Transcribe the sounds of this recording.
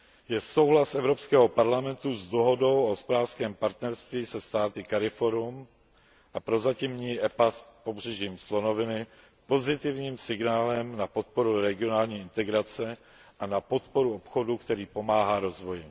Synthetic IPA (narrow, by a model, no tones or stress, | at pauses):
jɛso̞wɦlasʔɛvɾopskɛːɦo̞paɾlamɛnt̪uzd̪oɦo̞do̞wʔoɦospodaːrskɛːmpaɾt̪nɛɾst̪viːsɛst̪aːt̪ɪkaɾɪfo̞ɾum | ʔapɾo̞zacimɲiːʔɛpaspo̞br̝̥ɛʒiːmslo̞no̞vɪnɪ | po̞zɪt̪ɪvɲiːmsɪɡnaːlɛmnapo̞t̪̚po̞ɾuɾɛɡɪo̞naːlɲiːɪnt̪ɛɡɾat͡sɛ | ʔanapo̞t̪po̞ɾuopxo̞dukt̪ɛɾiːpo̞maːɦaːɾozvo̞jɪ